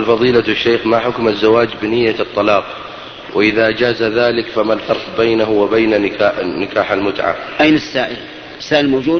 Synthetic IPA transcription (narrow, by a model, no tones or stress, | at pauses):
lfɑðˤiːlaaʃːeːxmaħʊkmazːawaːd͡ʒbɪnɪjːat̪ˤːɑlɑːq | wɪʔɪðaʔd͡ʒaːzaðaːlɪkfamalfɑɾˤqbejnaɦʊwɪbeːnaaːnːɪkaːħalmʊt̪ʕa̰mʔajnɪsːaːʔɪl | ɪsːaːʔɪlmoːd͡ʒuːd̪